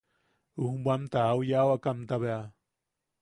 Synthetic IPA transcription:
uhmbʷamt̪aaujaawakamt̪aβea

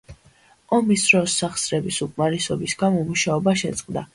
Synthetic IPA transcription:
ɔmisɾɔsːaχsɾɛbisukʼmaɾɛsɔbisɡamɔmuʃaɔbaʃɛ̰t̪sʼqʼd̪a

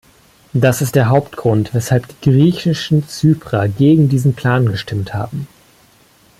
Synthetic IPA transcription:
d̥asɪstd̥eːɐɦaʊptɡ̥ʁʊntv̥ɛshalpd̥i̥ːɡʁiːçɪʃn̩t͡syːpʁ̥aɡeːɡŋ̩diːzn̩pʰl̥aːnɡəʃtɪmtha̰ːbm̩

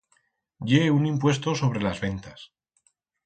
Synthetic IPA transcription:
ɟ͡ʝe̞unimpwe̞st̪o̞so̞β̞ɾe̞lazβe̞nt̪as

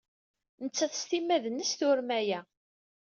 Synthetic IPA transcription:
nət͡sːæθə̥st̪imːæðnːəsθʊɾmæjæ

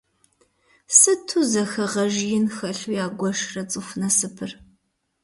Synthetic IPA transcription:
sɨtʰuzɐxɐʁɐʒjɪnxɐɬujaːɡʷɔʂrɐt͡sʼɨxʷnɐsɨpʰɨr

